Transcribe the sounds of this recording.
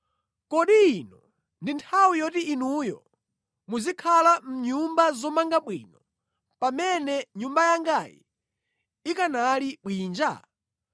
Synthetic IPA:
kɔɗiːnɔ | ndintʰawijɔtiːnujɔ̰ | muzikʰalam̩ɲumbazɔmaŋɡaɓwḭnɔ | pamɛnɛɲumbajaŋɡajḭ | ikanaliɓwiːnd͡ʒa̰

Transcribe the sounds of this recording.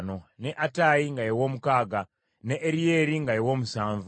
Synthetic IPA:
noneʔatajiŋɡajewomukaɡa | neʔːɾijeɾiŋɡajewomusaːɱv

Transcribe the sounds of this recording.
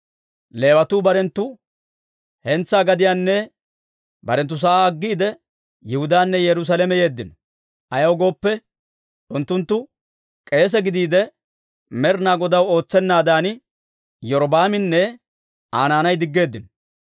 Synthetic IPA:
le̞ːwɐt̪uːbɐɾɛnt̪ːʊ | hɛnt͡sːaːɡɐd̪ɪjaːnːɛ | bɐɾɛnt̪ːʊs̬aɐɡːiːd̪ɛ | jɪhʊd̪aːnːɛjɛɾʊs̬aːlɛmɛje̞ːd̪ːɪnɔ | ʔɐjɐwɡo̞ːpːɛ | ʔʊnt̪ːʊnt̪ːʊ | kʼe̞ːs̬ɛɡɪd̪iːd̪ɛ | mɛɾnaːɡɔd̪ɐwo̞ːt͡sːɛnːaːd̪aːn | jɔɾɔbaːmɪnːɛ | ʔaːnaːnɐjd̪ɪɡːe̞ːd̪ːɪnɔ

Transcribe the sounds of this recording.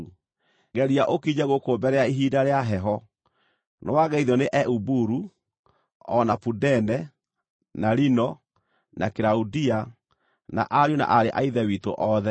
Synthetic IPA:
ɡɛɾiaʔokiɲɛɣokoːbɛɾɛaiɦiːdaɾeaɦɛɦɔ | nowaɣɛiðɔneʔɛʔubuɾu | ɔnapudɛnɛ | naɾinɔ | nʔakeɾaudia | na̰ʔaɾona̰ʔaɾeʔaiðɛwito̰ʔɔðɛ

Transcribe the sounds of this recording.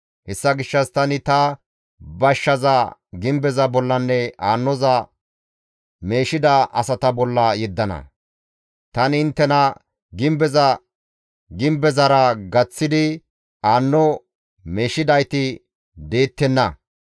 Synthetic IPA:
hɛsːɐɡɪʃːɐst̪ɐnɪt̪ɐ | bɐʃːɐzɐɡɪmbɛzɐbɔlːɐnːɛaːnːɔzɐ | me̞ːʃɪd̪ɐʔɐ̰sɐt̪ɐbɔlːɐjɛd̪ːɐnɐ̰ | t̪ɐnɪnt̪ːɛnɐ | ɡɪmbɛzɐ | ɡɪmbɛzɐɾɐɡɐt͡sːɪd̪ɪ | aːnːɔ | me̞ːʃɪd̪ɐjt̪ɪ | d̪e̞ːt̪ːɛnːɐ

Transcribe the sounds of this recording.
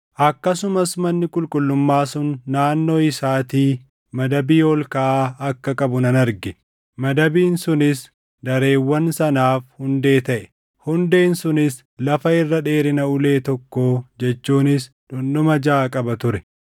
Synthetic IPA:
ʔɐkːɐsʊmɐsmɐnːɪkʼʊlkʼʊlːʊmːaːsʊnːaːnːo̞ːɪsaːt̪iː | mɐd̪ɐbiːɔlkɐʔaːɐkːɐkʼɐbʊnɐnɐɾɡɛ | mɐd̪ɐbiːnsʊnɪs | d̪ɐɾe̞ːwːɐnsɐnaːfhʊnd̪e̞ːt̪ɐʔɛ̥ | hʊnd̪e̞ːnsʊnɪs | lɐfɐɪrːɐᶑe̞ːɾɪnɐʊle̞ːt̪ɔkːoːd͡ʒɛt͡ʃːuːnɪs | ᶑʊnɗʊmɐd͡ʒaːkʼɐbɐt̪ʊɾɛ

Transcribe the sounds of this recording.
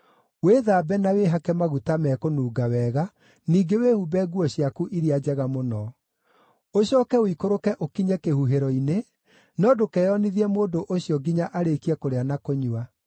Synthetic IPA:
weːðaːbɛnaweɦakɛmaɣutamɛkonuːɡawɛːɣa | niːɡewehubɛɡuɔɕiakuʔiɾiad͡ʑɛɣamonɔ | oɕɔːkɛoikoɾokɛʔokiɲɛkehuɦeɾɔine | nɔdokɛːɔniðiɛmoːdoʔoɕijɔɡiɲaʔaɾekiɛkoɾeanakoɲua

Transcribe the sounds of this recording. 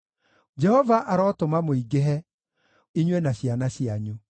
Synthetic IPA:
d͡ʒɛhɔvaʔaɾɔtomamoiɡeɦɛ | iɲwɛnaɕjanaɕiaɲo

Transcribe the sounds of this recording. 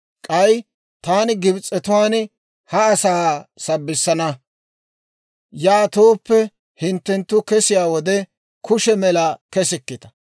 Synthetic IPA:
kʼɐj | t̪aːnɪɡɪbt͡sʼːɛt̪ʊwaːn | hɐːsaːsɐbːɪsːɐnɐ | jaːt̪oːpːɛ | hɪnt̪ːɛnt̪ːʊkɛsɪjaːwɔd̪ɛ | kʊʃɛmɛlɐkɛsɪkːɪt̪ɐ̥

